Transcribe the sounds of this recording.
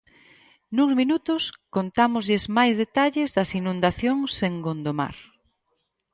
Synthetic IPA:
nuzminut̪ʊskont̪amʊzʎɪzmajzðet̪aʎɪzðɐsinũnd̪aθjoŋseŋɡond̪oma̰ɾ

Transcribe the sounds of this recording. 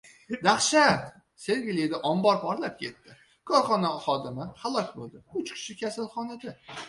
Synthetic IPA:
d̪aχʃa | se̞ɾɡʲɪlɪd̪aʔɒmbɒɾpʰɒɾlap̚kʲʰe̞t̪ːɪ | kʰɒɾχɒnaχɒd̪ɪmɪχalˠɒkʲbolˠd̪ɪʊt͡ʃkʲʰɪ̥ʃɪkʲasalˠχɒnad̪a

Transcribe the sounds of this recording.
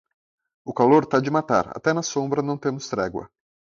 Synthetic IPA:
ʊkaloɾt̪ad͡ʒɪmat̪a̰ɾa̰t̪ɛnɐsõbɾɐnɐ̃w̃t̪ẽmʊst̪ɾɛɡwɐ̰

